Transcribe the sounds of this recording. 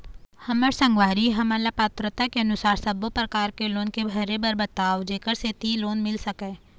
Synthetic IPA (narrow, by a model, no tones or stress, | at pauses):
hɐməɾsɐ̃ŋɡʋaːɾiɦɐmalapaːt̪ɾət̪akeɐnʊsaːɾsɐbopɾɐkaːɾkeloːnkebʱɐɾebɐɾbət̪aːʋd͡ʒeːkəɾset̪iːloːnmɪlsɐkɛ̃ː